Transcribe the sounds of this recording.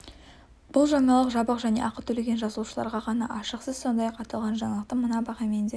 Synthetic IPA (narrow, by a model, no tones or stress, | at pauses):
b̥ʊlˠʒɑɴɑlˠəqʒɑbəqʒæne̞̰ʔɑqət̪ʰɵle̞ɡʲenʒɑzəlˠuʃəlˠɑ̰ɾʁɑqʰɑnɑ̰ʔɑʃəqsəzso̞nd̪ɑjɑqɑt̪lˠʁɑnʒɑɴɑlˠəq̚t̪əmənɑbɑʁɑmend̪e